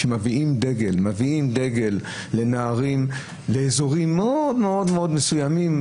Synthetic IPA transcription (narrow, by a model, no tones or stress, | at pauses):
emaviimd̪eɡelmaviimd̪e̞ɡe̞lː | e̞naːʁim | leːzo̞ʁimːeod̪meo̞d̪meo̞d̪mesujamim